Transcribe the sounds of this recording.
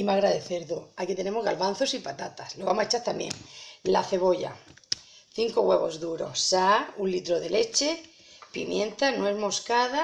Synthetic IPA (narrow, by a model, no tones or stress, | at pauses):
imaɣɾaðeθeɾðoakit̪e̞ne̞moɣalβanθo̞sipat̪at̪asloβamoset͡ʃaɾt̪amjḛ̃ŋla̰θe̞βo̞ʎa̰ | θiŋkoɣwe̞βo̞zðuɾo̞̰ssaunlit̪ɾoðe̞le̞t͡ʃe̞ | pḭmjẽ̞nt̪anoezmo̞skaða